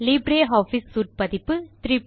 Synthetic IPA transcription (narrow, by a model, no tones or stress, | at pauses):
liːbɾeːɦaːfisːuːʈ̚pɐðɪpːɯt̪ɾiːp